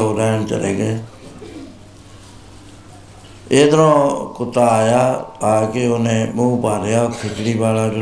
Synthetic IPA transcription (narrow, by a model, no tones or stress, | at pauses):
oːɾɛːɳt͡ʃə̰ɾeːɡeː | eːd̪əɾõːkʊt̪aːjaːaːkeonẽːmũːpaːɾejaːpʰɪkʰɽiːbaːlaːd͡ʒ